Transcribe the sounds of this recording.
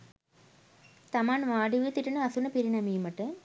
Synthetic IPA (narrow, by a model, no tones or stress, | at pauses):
t̪ɐmaːnʋaːɖiʋit̪iʈinəɐsunɐpiɾinɐmiːmɐʈɨ